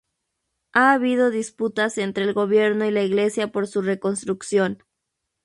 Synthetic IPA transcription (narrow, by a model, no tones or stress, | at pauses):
aːβið̞o̞ðisput̪ase̞nt̪ɾe̞ːlɣo̞βje̞ɾno̞ilaiɣle̞sjapo̞ɾsure̞ko̞nst̪ɾuksjo̞n